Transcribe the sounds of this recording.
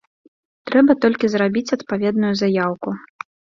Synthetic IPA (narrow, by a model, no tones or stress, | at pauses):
t̪ɾɛbɐt̪ɔlʲkʲizɾabʲit͡sʲɐt̪pavʲɛd̪nujuzajawku